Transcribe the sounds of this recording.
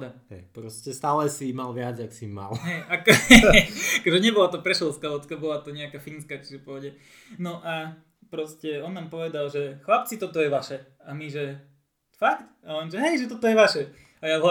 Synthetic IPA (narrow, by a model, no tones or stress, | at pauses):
d̪aɦɛpɾɔscɛst̪aːlɛsimalʋɪad͡zaksimːa̰lɦɛjakɔ | akɔʒɛɲɛbɔlat̪ɔpɾɛʃɛlˠskalɛt̪akabɔlat̪ɔɲɛakaːfinskaːt͡ʃiʒɛpɔɦɔɟɛ | nɔʔa | pɾɔscɛɔnːaːmpɔʋɛd̪alʒɛxlap̚t͡sit̪ɔt̪ɔjɛʋaʃɛ | amiʒɛ | fakt̪alɛnʒɛɦɛjʒɛt̪̬ɔt̪ɔjɛʋaʃɛ | ajaɦla